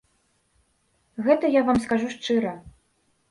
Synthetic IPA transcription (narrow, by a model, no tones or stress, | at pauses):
ɣɛt̪ɐjavamskaʐuʂt͡ʂɨɾɐ